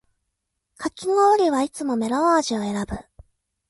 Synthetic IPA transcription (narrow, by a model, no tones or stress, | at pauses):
kakʲinooɾʲiβait͡sɨmo̞me̞ɾoaːʑio̞e̞ɾabɯ̟